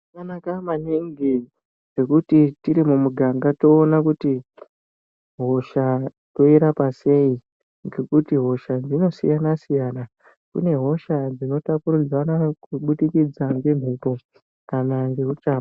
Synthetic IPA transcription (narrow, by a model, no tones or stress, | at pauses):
kanakamaniŋɡi | ʐe̞kutitiɾimumuɡʱaŋɡato̞ːnakuti | ɦo̞ʃa | to̞iɾapase̞i | ŋɡe̞kutiɦo̞ʃad͡zino̞sijanasijaːna | kṵne̞ɦo̞ʃad͡zino̞tapuɾud͡zwanakuɓuɗikid͡zaŋɡe̞m̤ipo̞ | kanaŋɡe̞ut͡ʃaːa